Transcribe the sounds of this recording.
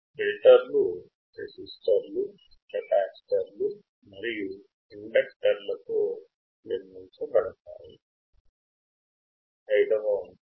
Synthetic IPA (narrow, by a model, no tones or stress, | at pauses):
meliʈɐɾlu | ɾḛsisʈɐɾlu | pɐʈaːksʈɐɾlu | mɐɾiju | iɳɖɐk̚ʈɐɾlɐt̪oː | niɾnunt͡ʃubɐɽɐt̪a̰ːjḭ | ɐjit̪ɐʋɐn